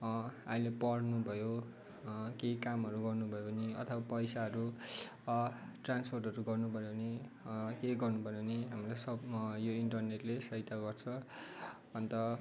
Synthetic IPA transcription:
ailepʌɽnubʱʌjo | kekamɦʌɾuɡʌrnubʱʌjopʌniʌ̰t̪ʰʌbapʌjsaʌɾu | ʈranspʰorʈɦʌɾuɡʌrnubʱʌjoʌnikeɡʌrnubʱʌopʌniɦamilajsʌbjoiɳʈʌrneʈlesʌjt̪aɡʌrt͡sʰʌ̃ | ʌnt̪ʌ

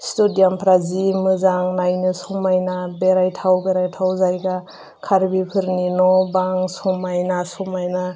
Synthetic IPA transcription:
studijampʰɾazimɯzaŋnajnɯsɔmajnabeɾajtʰawbeɾajtʰawzajɡa | kʰaɾbipʰɯɾninɔbaŋsumajnasɔmajna

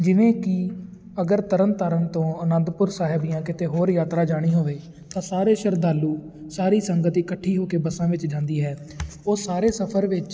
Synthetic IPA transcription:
d͡ʒɪʋẽːkɪ | əɡəɾt̪əɾənt̪əɾənt̪õːənə̃nd̪pʊɾsaːɦɪbijãːkɪt̪eːɦoːɾjaːt̪ɾaːd͡ʒaːɽ̃iːɦoːʋeː | t̪ãːsaːɾeːʃəɾd̪aːluː | saːɾiːsəŋɡət̪iːkəʈʰːiːɦoːkeːbəsãːʋɪt͡ʃd͡ʒãːnd̪iːɦɛː | oːsaːɾeːsəpʰəɾʋɪt͡ʃ

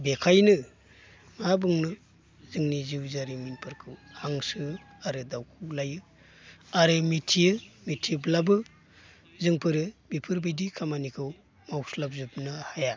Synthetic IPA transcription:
bekʰajnɯ | mabɯŋnɯ | zɯŋniziwzaɾiminpʰɯɾkʰɯwaŋsɯ | aɾɯdawkʰulajɯ | aɾɯmitʰijɯmitʰiblabɯ | zɯŋpʰɯɾɯbipʰɯɾbidikʰamanikʰɯw | mawslap̚zɯp̚nɯhaja

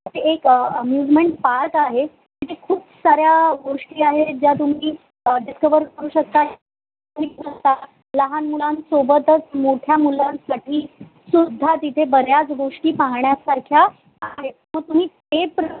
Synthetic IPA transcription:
t̪eekəmjud͡zmeɳʈpaɾək̪aɦe | iʈikʰuːbsaɾjaɡoʂʈiːaɦed͡ʑjat̪um̤iː | ɖiskəʋəɾkəɾuːɕək̚t̪aɦ | um̤iːəst̪a | ləɦanmulansobət̪ət͡smoʈʰjamulansaʈʰiː | sud̪ʱːat̪it̪ʰebəɾjat͡sɡoʂʈiːpãŋɳjasaɾkʰja | aɦeməɡ̚t̪um̤iːt̪epɾ

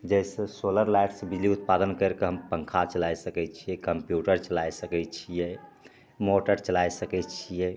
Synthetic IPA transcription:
d͡ʒɛjsẽsoləɾlajʈsẽbiliut̪̚pad̪ənkəɾkeɦəmpəŋkʰat͡ʃəlajsəkɛt̪t͡ʃʰijɛkəmpjuʈəɾt͡ʃəlajsəkɛt͡ʃʰijɛ | moʈəɾt͡ʃəlajsəkɛt̪t͡ʃʰijɛ

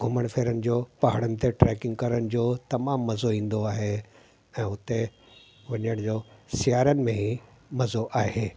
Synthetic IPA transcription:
ɡʱʊməɽ̃fʰeːɾənɪ̆d͡ʑoːpɐɦəɽ̃ənɪ̆t̪ʰeʈɾɛːkɪ̃ŋɡkɐɾənɪ̆d͡ʑoːt̪ɐmaːmːɐzoĩːn̆d̪oaːɦe | ɛ̃ːʊt̪e | ʋɐɲəɽ̃d͡ʑoːsɪjaːɾənɪ̆mẽɦi | mɐzoʔaːɦeː

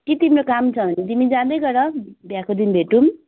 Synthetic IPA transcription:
kit̪imɾokamt͡sʰʌbʱʌnet̪imid͡zãd̪ʌjɡʌɾʌbjakod̪inbʱeʈum

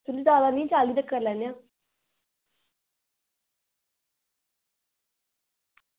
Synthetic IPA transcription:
t̪ulid̪aːd̪aːnĩːt͡ʃaːliːd̪əkːəɾlɛːnjãː

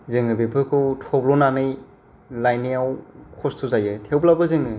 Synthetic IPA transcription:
zɯŋɯbepʰɯkʰɯwtʰɔblɔnanɯj | lajnijawkʰɔstʰuzajɯtʰewblabɯzɯŋɯ

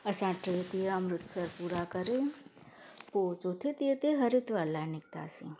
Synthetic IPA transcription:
əsãʈet̪iəmɾʊt̪səɾpuɾakəɾe | pot͡ʃot̪ʰit̪iet̪eɦəɾit̪ʋalanik̚t̪a̰sḭ̃

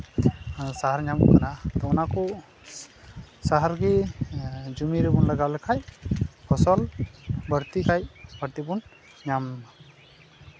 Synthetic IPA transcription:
saɦaɾɲam̰kanat̪ɔɔnakɔ | saɦaɾɡi | d͡ʒumiɾɛbɔnlaɡalɛkʰajpʰɔsɔlbəɾt̪ikʰajbəɾt̪ibɔn | ɲam

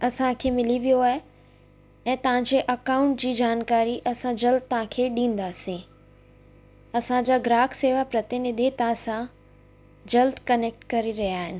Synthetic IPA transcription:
ɐsãkʰeːmɪliʋijoaːɦe | ɛ̃ːt̪ɐʋ̤ãɲd͡ʑeːʔɐkaːʊ̃ɳʈ̚d͡ʑiːd͡ʑaːnkaːɾiʔɐsãd͡ʑɐld̪̚t̪ɐɦãkʰeːɗĩːn̆d̪aːsĩ | ɐsãd͡ʑaːɡɾaːkseːʋapɾɐt̪ɪnɪd̪ʱit̪ɐʋ̤ãsã | d͡ʑɐld̪kɐneːk̚ʈkɐɾiɾɐɦijaːɦɪnɪ̆

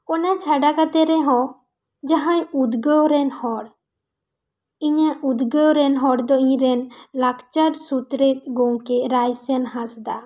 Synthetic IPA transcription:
ɔnat͡ʃʰaɖakat̪ɛɾɛɦɔ̃ | d͡ʒaɦãjud̪ɡəwɾɛnhɔɽ | iɲaʔud̪ɡəwɾɛnɦɔɽd̪ɔĩɲɾɛnlakt͡ʃaɾsut̪ɾet̪̚ɡɔwkɛɾajsɛnɦãsd̪a

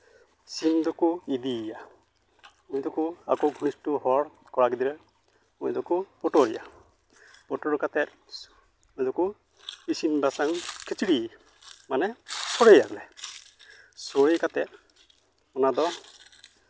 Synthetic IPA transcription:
sind̪ɔkuid̪ija | mujd̪ɔkua̰kɔɡʱuñistuɦɔɽ | kɔɾakid̪iɾɛ | mṵjd̪ɔkupɔʈɔɾḭja̰ | pɔʈɔɾkat̪ɛt̪̚ | mujd̪ɔku | isinbasaŋkʰit͡ʃiɽi | manɛsɔɾejaɡlɛ | sɔɽekat̪ɛt̪̚ | ɔnad̪ɔ

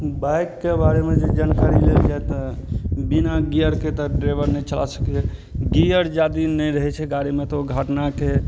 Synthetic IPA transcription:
bajkːebaɾemed͡ʒed͡ʒankaɾileld͡ʒajt̪ɔbinaɡijəɾket̪ɔɖɾebəɾnɛjt͡ʃəlasə̥kɛɛ | ɡijəɾd͡ʒad̪inɛɾəɦɛt͡ʃʰɛɡaɾimet̪ɔoɡʱəʈnake

